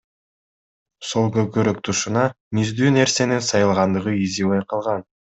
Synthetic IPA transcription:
solˠɡøkøɾøk̚t̪ʰuʃunɑ | mizd̪yːne̞ɾse̞ninsɑjɯlˠʁɑnd̪ɯʁɯiziβɑjqʰɑlˠʁɑn

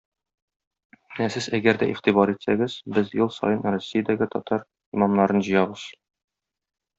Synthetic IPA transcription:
næsɘzæɡæɾd̪æʔiχt̪ibɑɾit̪sæɡɘzbɘzjɤlˠsɒ̰jɤnrosʲːijad̪æɡɘt̪ɒt̪ɑɾ | imɑmnɑɾɤnʑɤ̆jɑbɤz̥

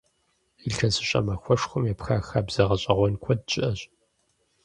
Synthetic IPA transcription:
iɬɐsɨɕʼɐ̰mɐxʷɔʂxʷʊmjɛpxaːxaːbz̥ɐʁɐɕʼɐʁʷɔnkʷʰɔd̚t͡ʃʼɪʔɐɕʼ

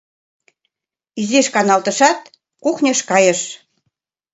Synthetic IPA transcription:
izeʃkɑnɑlt̪ə̆ʃɑt̪̚ | kuxnʲə̆ʃkɑjə̆ʃ

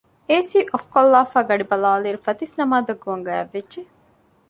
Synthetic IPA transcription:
eːsiːʔofkolːaːfaːɡɐɖibɐlaːliːɾufɐt̪isnɐmaːd̪ɐɡːuʋɐŋɡɐɐ̰ʋːedʒe

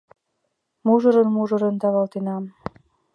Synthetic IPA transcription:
muʒɤ̆ɾə̆nmuʒɤ̆ɾɤ̆nt̪ɑβɑlˠt̪enɑm

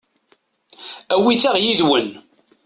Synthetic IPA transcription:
æwiθaʁjiðwən

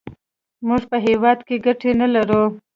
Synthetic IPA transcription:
muʐpəɦewɑd̪keɡaʈenalaɾu

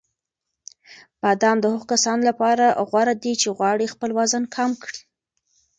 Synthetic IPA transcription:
pad̪ɑmd̪əhʊɣokasɑnlapɑɾaɣwɑɾad̪it͡ʃeɣwɑɽixpəlwazənkʰɑmkɽi

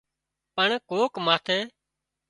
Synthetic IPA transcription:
pəɳkoːkmaːt̪ʰeː

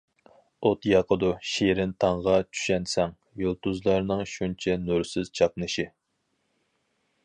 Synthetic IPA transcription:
ot̪jɑqʰəd̪uʃeɾɪnt̪ʰɑɴʁɑt͡ʃʰy̥ʃɛnsɛŋ | jolˠt̪uzlˠɑɾnɨŋʃunt͡ʃʰɛnuɾsɪz̥t͡ʃʰɑp̚nɨʃi

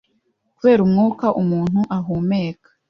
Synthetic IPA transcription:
kuβe̞ːɾumŋuːkaʔumuːn̥huʔaɦuːmeːkḁ

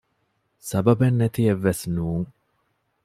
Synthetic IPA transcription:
sɐbɐbɐnːɐt̪ijɛʋɐsnuːŋ

